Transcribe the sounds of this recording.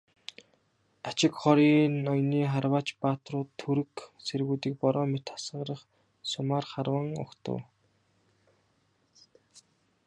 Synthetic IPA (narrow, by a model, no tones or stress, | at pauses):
at͡ɕɪ̆kχɔɾiːnnɔjniːχarwaːt͡ɕpaːt̪rʊːt̪ʰːɵɾɘ̆kseɾɣuːt̪iːk̚pɔɾɔːmet̪ʰḁsə̆ʁɾə̆χ | sʊmaːrχarwə̆ŋʊ̰kt̪ʰə̰w